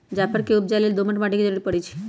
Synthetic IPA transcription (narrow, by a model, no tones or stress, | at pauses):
d͡ʒapəɾkeup̚d͡ʒaleld̪oməɳʈmaʈikid͡ʑəɾuɾipəɽit͡ʃʰi̥